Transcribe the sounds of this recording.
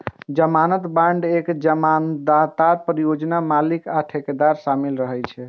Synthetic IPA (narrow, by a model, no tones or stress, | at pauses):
d͡ʒəmanət̪baɳɖekd͡ʒəmand̪at̪aɾpɾijod͡ʒnamalikaʈʰeked̪aɾsamilɾəɦɛjt͡ʃʰɛ